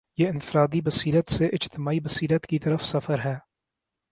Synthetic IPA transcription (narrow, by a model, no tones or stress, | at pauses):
jeːɪnfɪɾaːd̪ibɐsiːlət̪seʔɪd͡ʒt̪ɪmaːibɐsiːlət̪kit̪ɐɾəfsɐfəɾɦɛː